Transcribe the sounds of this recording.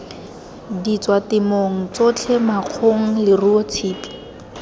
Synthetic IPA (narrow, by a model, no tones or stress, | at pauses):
dit͡swatɪmoŋ̩t͡sot͡ɬʰɛmaq͡χʰoŋ̩lɪruɔt͡sʰiːpɔ̥